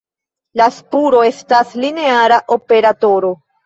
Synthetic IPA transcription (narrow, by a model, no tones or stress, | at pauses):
laspuɾo̞e̞stasline̞aɾaʔo̞pe̞ɾato̞ɾo̞